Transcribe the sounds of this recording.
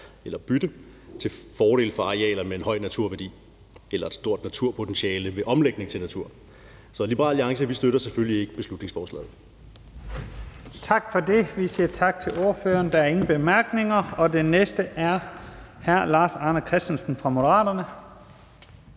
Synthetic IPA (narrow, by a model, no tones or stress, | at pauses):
elɐb̥yd̥ə | t͡sʰe̝lfɒːɾ̥e̝ːlfɑ̈ɑ̈ʁiɛ̰ːlɐmeenɦɒ̽ɪ̰næt͡sʰuɐ̰ʋæɐdḭː | elɐe̝d̥sd̥o̝ɐ̰d̥næt͡sʰuɐ̰pʰo̝t͡sʰenɕiɛːləʋe̝ʔɒ̽mleɡ̥ne̝ŋt͡sʰe̝lnæt͡sʰuɐ̰ | sɒ̽lib̥əʁɑ̰̈ːliɑ̈ŋsəʋisd̥øɾɐseføllie̝ɡ̥əb̥e̝slud̥ne̝ŋsfɒːslɛ̰ːð̩ˠ | t͡sʰɑ̈ɡ̥fɒ̽de̝ʋisiɐt͡sʰɑ̈ɡ̥̚t͡sʰe̝lo̝ɐføːɐnd̥ɑæɐe̝ŋn̩b̥e̝mæɐɡ̥ne̝ŋɐɒ̽d̥enesd̥əʔæɐhæɐ̰lɑ̈ːsɑ̈ːnəkʰʁɛsd̥ənsn̩fʁɑ̈mo̝dəʁɑ̰̈ːdɐnə